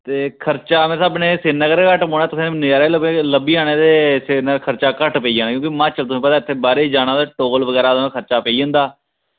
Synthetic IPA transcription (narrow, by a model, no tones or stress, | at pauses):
t̪eːkʰəɾt͡ʃaːmɛ̃ːsaːbneːsenəkəɾekəʈpõːnaːt̪ʊsẽːnɪaːɾeːlləbiːaːneːd̪eːsenəkʰəɾt͡ʃaːkəʈpəiãːnːkjõːkimãːt͡ʃəlt̪ʊsĩːpət̪aːɪt̪ʰːeːbaːɾeːiːd͡ʒaːñaːd̪aːʈoːlʋəɡɛːɾaːd̪ãːkʰəɾt͡ʃaːpeiːə̃ːnd̪aː